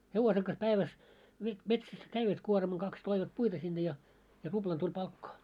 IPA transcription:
heʋose kɑs pæiʋæs ʋet metsæs kæiʋæt kuormɑŋ kɑks toiʋɑt puitɑ sinːe jɑ jɑ rub̥lɑn tulʲ pɑlkːɑː

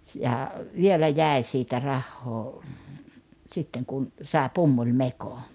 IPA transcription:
jɑ ʋielæ jæˑi̞ siːtæ rɑhːoː sitːeŋ kun sɑˑe pumːulʲmeko

